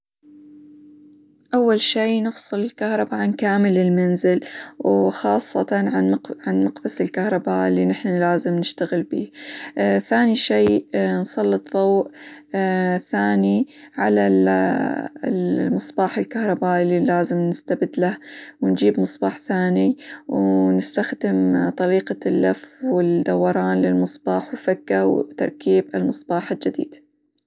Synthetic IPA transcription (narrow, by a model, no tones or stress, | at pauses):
ʔawːalʃiːnɨfsˤɨlɪlkahɾˤɑbaʕankaːmɪlɪlmanzɪlwxɑːsˤːɑ̰t̪ɑnʕaʕanmaqbasɪlkahɾˤɑbaʔɪlːinɪħnalaːzɪmnɪʃt̪aɣɪlbḭː | θaːniʃeːnsˤɑlːɨt̪ˤðˤɑwʔ | θaːni | ʕala | lmɨsˤbɑːħɪlkahɾˤɑbaːʔililaːzɪmnɪst̪abɪd̪lahwɪnd͡ʒiːbmɨsˤbɑːħθaːniwnɪst̪axd̪ɪmt̪ˤɑɾiːqalːafwɪd̪awːɑɾˤɑːnlɪlmɨsˤbɑːħwfakːawt̪ɑ̰ɾˤkiːbɪlmɨsˤbɑːħɪld͡ʒɪd̪ḭːd̪̥